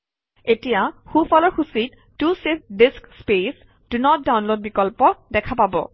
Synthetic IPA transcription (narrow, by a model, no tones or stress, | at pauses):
etijaxufɔlɔɹxusit | tusidiskspes | d̥unɔt̚dawnlod̚bikɔlpɔdɛkʰapabɔ̰